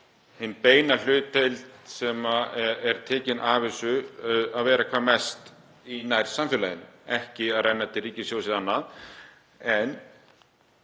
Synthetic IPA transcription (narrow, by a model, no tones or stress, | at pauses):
hɪnpeːjnal̥ʏːt̪ejlt̪sɛmaɛɾ̥t̪ʰɛːcɪnʔaːvɪsʏaðvɛːɾakʰvaːðmɛst̪ | inajɾ̥samfɪlajɪnʏ̰ɛhcɪaðrɛjnːat̪ʰɪriːcɪsjoːwsɪðanːað | ɛn